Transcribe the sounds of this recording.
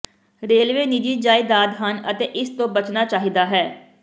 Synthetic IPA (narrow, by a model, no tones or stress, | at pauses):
ɾeːlʋeːnid͡ʒiːd͡ʒaːid̪aːd̪ɦənət̪eːʔɪst̪õːbət͡ʃnaːt͡ʃaːɦiːd̪aːɦɛː